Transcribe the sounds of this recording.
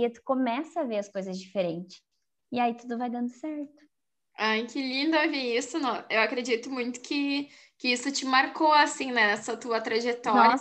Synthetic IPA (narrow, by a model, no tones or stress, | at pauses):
ɪt̪ʊ̥komɛsɐːveɾɐskojzɐzd͡ʒifeɾẽnt͡ʃɪ̥s | ɪait̪ud̪ʊvajd̪ɐ̃nd̪ʊsɛɾt̪ʊ̥ | ajkɪlĩnd̪ɐviisʊnɔ̃ewakɾed͡ʒit̪ʊmũj̃t̪ʊ̥kʰɪ | kɪisʊt͡ʃɪmaɾkoasĩnɛnɛsɐt̪uɐt̪ɾaʒet̪ɔɾɐ